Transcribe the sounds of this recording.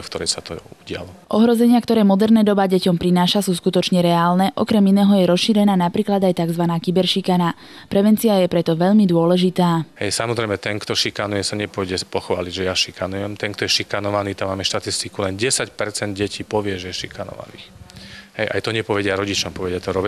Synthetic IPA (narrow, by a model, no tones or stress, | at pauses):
fk̚t̪ɔɾɛjsat̪ɔ̰uɟɪa̰lɔʔɔɦɾɔzɛɲɪakt̪ɔɾɛːmɔd̪ɛɾnɛːd̪ɔbaɟɛcɔmpɾinaːʃasuːskut̪ɔt͡ʃɲɛɾɛaːlnɛʔɔkɾɛminɛːɦɔjɛɾɔsʃiːɾɛnaːnapɾiːklad̪ajt̪aɡzʋanaːkibɛɾʃikana | pɾɛʋɛnt͡siajɛpɾɛt̪ɔʋɛʎmid̪ʊɔlɛʒit̪aːhɛ̰jsamɔzɾɛɪmɛt̪ɛnkt̪ɔʃikanujɛsaɲɛpɔɔɟɛpɔxʋa̰ːliɟʒɛjaʃikanujɛmt̪ɛŋkt̪ɔjɛʃikanɔʋaniːt̪amaːmɛʃt̪at̪ist̪ikulɛnɟɛsacpɛɾt͡sɛnd̪ɟɛcʰiːpɔʋɪɛʒɛjɛʃikanɔ̰ʋa̰nḭːxɦɛjʔa̰jt̪ɔɲɛpɔʋɛɟɪaɾɔɟit͡ʃɔmpɔʋɛɟɪat̪ɔɾɔb